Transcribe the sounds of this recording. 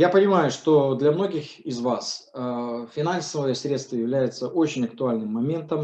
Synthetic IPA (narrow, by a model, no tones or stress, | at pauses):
japənʲɪmajʊʂt̪o̞d̪lʲɐmno̞ɡʲɪxɪzvas | fʲɪnansəvəjəsɾʲe̞t̪st̪vəjɪvlʲæjɪt̪səʔot͡ɕɪnʲɐk̚t̪ʊalʲnɨmːɐmʲe̞nt̪əm